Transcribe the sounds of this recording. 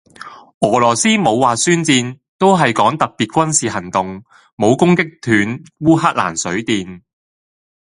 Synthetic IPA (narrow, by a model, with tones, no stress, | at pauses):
ʔɔː˨˩lɔː˨˩siː˥mo˨˧wːaː˨syː˥nt͡siː˧n | t̪o˥wɦɐ˨jkɔː˨˥ŋt̪ɐ˨k̚piː˨t̚kʷɐ˥nsiː˨˧ɦɐ˨˩ŋt̪ʊ˨ŋ | mo˨˧wkʊ˥ŋkɪ˥k̚t̪ʰyː˨˥nwuː˥ɦaː˥k̚la̰ː˨˩nsɵ˨˥ɥt̪iː˨n